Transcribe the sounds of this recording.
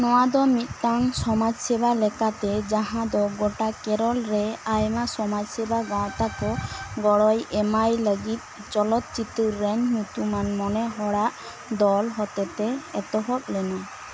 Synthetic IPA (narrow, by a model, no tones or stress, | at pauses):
nɔwad̪ɔmit̪̚ˀt̪aŋsɔmad͡ʒsɛbalɛkat̪ɛd͡ʒãɦãd̪ɔɡoʈakɛɾɔlɾɛajmasɔmad͡ʒsɛbaɡãwt̪akɔɡɔɽɔjɛmajləɡit̪̚t͡ʃɔlɔt̪̚t͡ʃit̪ɔɾɛɲnut̪umanmɔnɛɦɔɽaʔ | d̪ɔlɦɔt̪ɛt̪ɛɛt̪ɔɦɔt̪̚lɛnɔ